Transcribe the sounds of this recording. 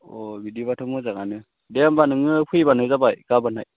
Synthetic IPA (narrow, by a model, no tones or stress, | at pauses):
ɔbidiβatʰɯmɯzaɡanɯ | dɛambanɯŋɯpʰɯjbanɯzabajɡ̥abanaj